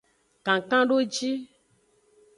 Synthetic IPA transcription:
kã˨kã˦ɖo˦d͡ʒi˦

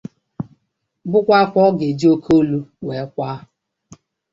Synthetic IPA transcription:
bʊ˦kʷa˦kʷɔ˦ɡe˨d͡ʒi˦o˦kʰo˦lu˦we˨˦kʷa˦

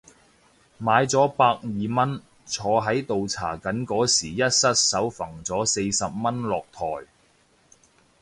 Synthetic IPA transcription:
maː˨˧jt͡sɔː˨˥paː˧k̚jiː˨˩mɐ˥n | t͡sʰɔː˨˧ɦɐ˨˥jt̪o˨wt͡sʰa̰ː˨˩kɐ˨˥nkɔː˨˥siː˨˩jɐ˥t̚sɐ˥t̚sɐ˨˥wfɐ˨˩ŋt͡sɔː˨˥se˧jsɐ˨p̚mɐ˥nlɔː˨k̚t̪ʰɔ̰ː˨˩j

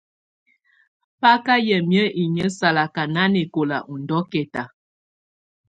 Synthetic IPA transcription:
pa˦ka˦jə˨mjə˦ʔi˨ɲə˦sa˨la˨ka˨na˦ne˨ko˨la̰˨ʔu˨n˨dɔ˦kɛ˨ta˨

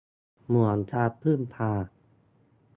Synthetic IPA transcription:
mu˨˩ə˦nt̪ʰaː˧pʰːɯ˥˩npʰaː˧

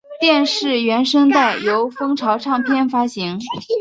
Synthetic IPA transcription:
t̪jɛ˥˧nʂɻ̩˥˩ɥɛ˧˥nʂɤ˥ŋt̪a˥˩ɪjo˧˥ʊfɤ˥ŋʈ͡ʂʰɑ˧˥ʊʈ͡ʂʰɑ˥˧˩ŋpʰjɛ˥˩nfa˥ɕi˧˥ŋ

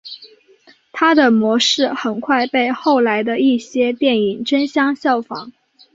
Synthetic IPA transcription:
t̪ʰa˥d̪ə˨˩mwɔ˧˥ʂɻ̩˥˩xə˨˩nkʰwa˥˧ɪpe˥˧ɪxo˥˩ʊla˧˥ɪd̪ə˧i˥˩ɕjɛ˥t̪jɛ˥˩ni˨˩ŋʈ͡ʂə˥nɕjɑ˥ŋɕjɑ˥˩ʊfɑ̰˧˥˦ŋ

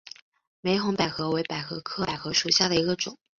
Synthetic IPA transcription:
me˧˥ɪxʊ˧˥ŋpa˨˩ɪxɤ˧˥we˧˥ɪpa˨˩ɪxɤ˧˥kʰɤ˥˩a˨˩ɪxɤ˧˥ʂu˨˩ɕja˥˩d̪ə˩i˧˥ɡə˧ʈ͡ʂʊ˨˩˦ŋ

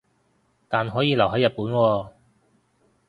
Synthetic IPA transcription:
t̪aː˨nɦɔː˨˥jiː˨˧lɐ˨˩wɦɐ˨˥jɐ˨t̚puː˨˥nwɔː˧

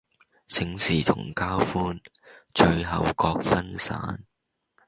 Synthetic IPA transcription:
sʰɪ˨˥ŋsiː˨˩t̪ʰʊ̰˨˩ŋkaː˥wfuː˥nt͡ʃɵ˧ɥɦɐ˨wkɔː˧k̚fɐ˥nsa̰ː˨˥n

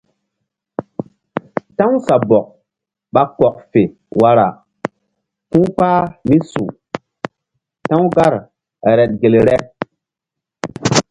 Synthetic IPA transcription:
ta˦ŋ˦sa˨bɔ˨k̚ | ɓa˦kɔ˨k̚fe˨ | wa˦ɾa˨ | fu˦ŋk͡paː˦mi˦sṵ˨ | ta˦ŋ˦ɡa˦ɾ | ɾɛ˨t̚ɡe˨lɾɛ˦

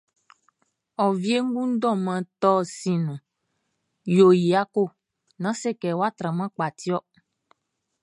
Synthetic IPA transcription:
ɔ˨vi˦e˦ŋ̩˦ɡũ˦n̩˦dɔ̃˦˨mã˨t̪ɔ˦˨si˨nũ˨ | jo˨ji˨a˦ko˦˨ | nã˨˦sɛ˦˨kɛ˨wa˦˨t̪ɾã˨mã˦k͡pa˨t̪i˦ɔ˦

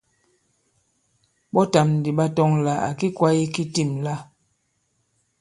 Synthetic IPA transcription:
ɓɔ˦ta˨m˨di˨ɓa˦tɔ˦ŋla˨a̰˨ki˦kwa˦i˦ki˦ti˦˨mla˦

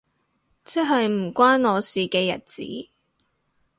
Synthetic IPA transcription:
t͡sɐ˥ɦɐ˨jm̩˨˩kʷaː˥nɔː˨˧siː˨kɛː˧jɐ˨t̚t͡sḭː˨˥

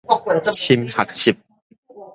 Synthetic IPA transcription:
t͡ɕʰi˦mha˨˩k̚ɕʰi˨˩p̚

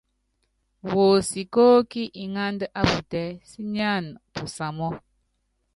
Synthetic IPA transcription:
wo˨si˨ko˦ki˦ʔi˨ŋa˦ndə˦ʔa˦bu˨tɛ˦si˦ɲ˦a˦˨npu˨sa˨mɔ˦

